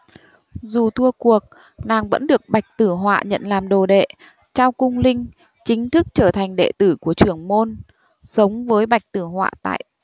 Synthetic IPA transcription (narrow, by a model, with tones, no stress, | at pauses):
zu˨˩t̪ʰu˧əku˨˩ək̚ | naː˨˩ŋvə̰˧˥nɗɨ˨˩ək̚ɓa˨˩jk̟̚t̪ɨ˧˩ɦwa̰ː˧˨ɲə̰˧˨nlaː˨˩mɗo˨˩ɗḛ˧˨ | t͡ɕa˧wkʊ˧ŋ͡mlï˧ŋ̟ | t͡ɕï˨˦ŋ̟t̪ʰɨ˦˥k̚t͡ɕəː˧˩t̪ʰa˨˩jŋ̟ɗḛ˧˨t̪ɨ˧˩ku˧˩ət͡ɕɨ˧˩əŋmo˧n | sə˨˦wŋ͡mvəː˨˦jɓa˨˩jk̚t̪ɨ˧˩ɦwa̰ː˧˨t̪a̰ː˧˨j